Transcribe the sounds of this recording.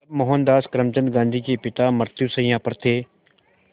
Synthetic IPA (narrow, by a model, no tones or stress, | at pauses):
ɐbmoɦənd̪aːskəɾəmt͡ʃə̃nd̪ɡãːnd̪ʱiːkeːpɪt̪aːməɾt̪jusəĩːãːpəɾt̪ʰeː